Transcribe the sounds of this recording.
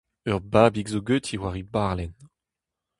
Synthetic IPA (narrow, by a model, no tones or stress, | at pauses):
œʁbaːbikzoɡøt̪ʰiwaʁibaʁlɛn